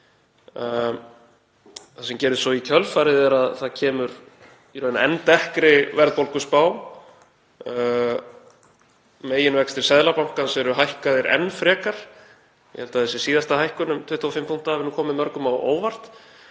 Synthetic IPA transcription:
θasɛmcɛːɾʏsɔicʰœlfaɾɪðɛɾaðθacʰɛːmʏɾ | iɾœːna̰ɛnt̪ɛhkɾɪvɛɾðpolkʏspaːw | meːjɪnvɛkst̪ɪɾ̥sɛðlapawŋ̥kansɛɾʏɦajhkaðɪɾʔɛ̰nːfɾɛːkaɾ̥ | jɛ̰hɛlt̪aθɛsɪ̥siːðast̪ahajhkʏnʏmt̪ʰvɪht̪ʰːuafɪmpʰuŋ̥t̪aavɪɾnuːkʰɔːmɪmœɾkʏmawo̰ːwvar̥t̪

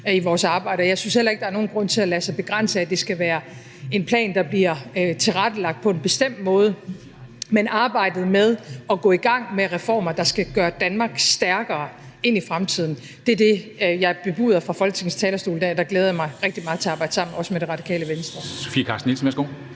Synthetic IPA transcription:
iʋɒːsɑ̈ːb̥ɑ̈ɪ̰ɾ̥ɐjɑ̈ɪsynshel̰ɐeɡ̥̚d̥ɑ̈ɐno̝ːn̩ɡ̥ʁɔ̽n̰t͡sʰe̝lælæsɑ̈ɪb̥e̝ɡ̥ʁan̰səæd̥e̝sɡ̥æʋæːɐ | e̝npʰlɛ̰ːnd̥ɑ̈b̥liɐt͡sʰe̝lʁad̥əlɑ̈ɡ̥̚d̥̚pʰɒ̽e̝nb̥e̝sd̥em̰d̥̚mɔ̽ːð̞ˠə | menɑ̈ːb̥ɑ̈ɪ̰d̥ð̞̩ˠmeð̞ˠɒ̽ɡ̥ɔ̰̽ːiɡ̥ɑ̈ŋ̰meʁɛfɒ̰ːmɐd̥ɑ̈sɡ̥æɡ̥ɶːɐd̥ænmɑ̈ːɡ̥sd̥æɐɡ̥ɐː | e̝n̰ifʁamt͡sʰið̰ˠn̩ | d̥e̝ɐd̥e̝jɑ̈ɪɐb̥e̝b̥ṵːðˠɐfʁɑ̈fɒ̽lɡ̥ə̥t͡sʰe̝ŋn̩st͡sʰɛːlɐsd̥o̝ːldæɐd̥ɑ̈ɡ̥leːð̞ˠɐjɑmɑ̈ɪʁɛɡ̥̚d̥imɑ̈ːð̩ˠt͡sʰe̝ɑ̈ːb̥ɑ̈ɪ̰d̥sɑ̈m̰n̩ɒ̽səmeɾ̥e̝ʁɑ̈d̥i̥kʰɛ̰ːləʋensd̥ʁɐso̥fḭːɐkʰɑ̈ːsd̥n̩elsn̩ʋæɐsɡ̥o̝̰ː

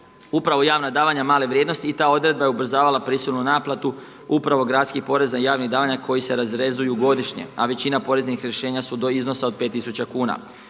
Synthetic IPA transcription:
upɾaʋo̞jaːʋnad̪aːʋaɲamaːleʋɾjed̪no̞st̪iːt̪aːo̞d̪ɾe̞d̪̚baje̞ubɾ̩zaːʋalapɾisilˠnunaːplˠat̪u | upɾaʋo̞ɡɾaːt̪skipo̞ɾe̞znaijaːʋniɣd̪aːʋaɲakʰo̞jise̞ɾazɾe̞zujuɡo̞d̪iʃɲe̞̰aʋe̞t͡ɕinapo̞ɾe̞znixɾje̞ʃe̞ːɲasud̪oizno̞sao̞d̪̚pe̞t̪ːisut͡ɕakuːna̰

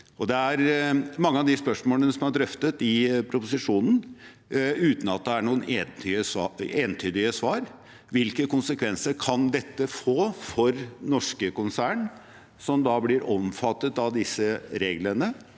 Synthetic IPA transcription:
ʔɔd̪ɛæɾmɑŋːəɑʋd̪ɪspœʂmoːlənəsɔmɑɖɾœft̪ət̪ɪpʰɾʊpʊsɪʂuːnn̩ | ʉːt̪n̩ɑt̪̚d̪ɛæɳuːəne | eːnt̪ʰyːd̪ɪəsʋɑːɾ | ʋɪlkəkʊnsəkʰʋɛnsəɾkʰɑnd̪ɛt̪ːəfoːfɔɾnɔʂkəkʊnsæːɳ | sɔmd̪ɑblɪɾʔɔmfɑt̪ːət̪ɑʋd̪ɪsəɾeːɡlənə

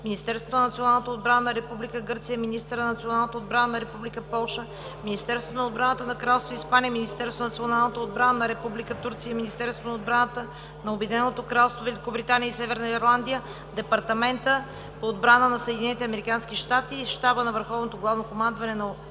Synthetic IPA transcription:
minist̪ɛɾsvot̪onɐnɐt̪sionalˠnət̪əod̪̚bɾanənɐɾɛpublikəɡɤɾt̪sijəminist̪əɾnɐnɐt̪sionalˠnət̪əod̪̚bɾanənɐɾɛpublikəpɔlˠʃə | minist̪ɛɾst̪vot̪onɐod̪bɾanət̪ənɐkɾalˠst̪voispanijəminist̪ɛɾst̪onɐt̪sionalˠnət̪əod̪̚bɾanənɐɾɛpublikət̪uɾt̪sijəminist̪ɛɾst̪vonɐod̪bɾanət̪ə | nɐobɛd̪inɛnot̪okɾalˠst̪vovɛlʲikobɾit̪anijəisɛvɛɾnɐiɾlˠand̪ijə | d̪ɛpɐɾt̪ɐmɛnt̪ə | poːd̪bɾanənɐsəɛd̪inɛnit̪ɛɐmɛɾikanskiʃt̪at̪iʃt̪abənɐvəɾxɔvnot̪oɡlˠavnokomand̪vɐnɛnɐ

